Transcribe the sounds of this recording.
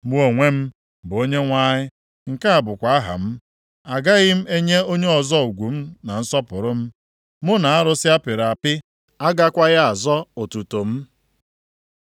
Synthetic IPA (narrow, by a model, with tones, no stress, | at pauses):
mu˦o˨ŋʷe˦m̩˦ | bʊ˨o˦ɲe˦ŋʷa˦ɲɪ˦ | ŋ̩˨ka˦a˨bʊ˨kʷa˨a˦ɦa̰˨m̩˦ | a˨ɡa˦ɣɪ˦m̩˦e˦ɲe˦o˦ɲe˦ɔ˨zɔ˦u˨ɡʷu˨m̩˦na˨n̩˦sɔ˦pʊ˨ɾʊ˦m̩˦ | mʊ˦na˨a˦ɾʊ˦sɪ˦a˦pɪ˨ɾa˨pɪ˦ | a˦ɡa˦kʷa˦ɣa˦a˨zɔ˦o˨tu˨to˨m̩˦